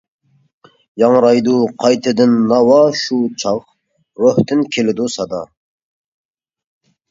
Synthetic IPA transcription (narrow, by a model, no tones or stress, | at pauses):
jɑŋɾɑjd̪uqʰɑjt̪ʰɨd̪ɪnːɑwɑʃut͡ʃʰɑq | ɾøht̪ɪnkʲʰelɪd̪usɑd̪ɑ